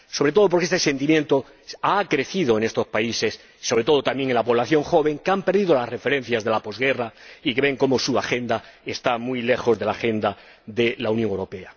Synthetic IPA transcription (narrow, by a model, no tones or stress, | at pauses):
so̞βɾe̞t̪o̞ð̞o̞po̞ɾkeest̪ese̞nt̪imje̞nt̪o | akɾe̞θiðo̞ene̞st̪o̞spaise̞s | sːo̞βɾe̞t̪o̞ð̞ot̪amje̞ŋenlapo̞β̞laθjo̞ŋxo̞βe̞ŋkeampe̞ɾðiðo̞lasre̞fe̞ɾẽ̞n̟θjazðe̞lapo̞zɣe̞raike̞βe̞ŋko̞mo̞suaxẽ̞nd̪ae̞st̪amuijle̞xo̞zðe̞laxe̞nd̪a | ðe̞launjoŋewɾo̞pe̞a